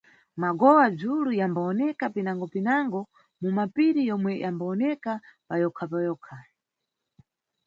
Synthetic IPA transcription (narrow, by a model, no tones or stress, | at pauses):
maɡɔwad͡zulujambaɔnɛkapinaŋɡɔpinaŋɡɔ | mumapiɾijɔmwɛʔambaɔnɛkapajɔkʰapajɔːkʰa